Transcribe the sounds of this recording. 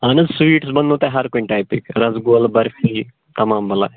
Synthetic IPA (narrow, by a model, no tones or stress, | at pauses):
ɐnɨzsʋiːʈsbɐnd̪oːt̪eɦɐɾkoinʈaːpikɾɐzɡoːlbɐɾfiː | t̪ɐmaːmbɐla̰ː